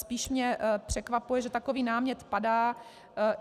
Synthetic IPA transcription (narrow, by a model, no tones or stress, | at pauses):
spiːʃmɲɛpr̥ɛkvapujɛʒɛt̪akoviːnaːmɲɛt̪padaː